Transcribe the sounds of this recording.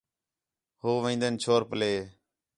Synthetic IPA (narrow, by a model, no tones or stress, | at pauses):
hoːʋẽːnd̪ənt͡ʃʰoːɾpəleː